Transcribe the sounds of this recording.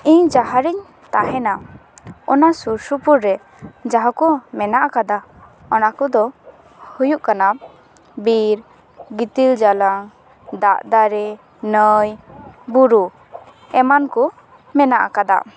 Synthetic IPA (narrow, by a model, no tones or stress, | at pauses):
iɲd͡ʒaɦaɾiɲ | t̪aʔɦɛna | ɔnasuɾsupuɾːɛ | d͡ʒaɦakɔmɛnaʔakad̪a | ɔnakɔd̪ɔ | hujuʔkana | biɾ | ɡit̪ild͡ʒalaŋ | d̪aʔd̪aɾɛ | nəjbuɾu | ɛmankɔ | mɛnaʔa̰kad̪a̰